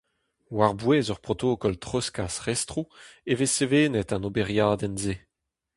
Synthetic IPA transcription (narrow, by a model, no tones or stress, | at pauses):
waʁbweːzœʁpʁot̪oːkɔltχɔskasʁɛstʁueveseveːnetãnobeʁjaːd̪ɛnze